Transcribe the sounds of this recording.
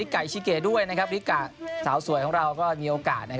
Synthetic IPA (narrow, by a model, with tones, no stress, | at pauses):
i˦˥kːa˨˩jt͡ɕʰiː˧keː˨˩du˥˩əjna˦˥kʰa˦˥p̚ɾi˦˥kaː˨˩saː˩˦wsu˨˩˦jkʰɔː˩˦ɾa˧wkɔː˥˩miː˧ʔoː˧kaː˨˩t̪̚na˦˥kʰ